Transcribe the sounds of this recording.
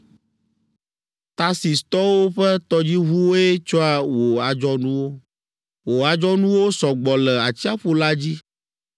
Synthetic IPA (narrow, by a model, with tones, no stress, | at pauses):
t̪a˦si˨st̪ɔ˦wo˦ɸɛ˦t̪ɔ˦d͡ʑi˦ɦu˦wo˦ɛ˦t͡ʃɔ˦a˨wo˨a˨d͡ʒɔ˦nũ˦wo˦ | wo˨a˨d͡ʒɔ˦nũ˦wo˦sɔ˨ɡ͡bɔ˨lɛ˨a˨t͡ɕi˦a˦ɸo˦la˦d͡ʑi˦